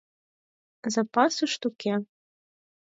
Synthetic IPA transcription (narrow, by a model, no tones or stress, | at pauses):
zapɑsuʃt̪ukʲɛ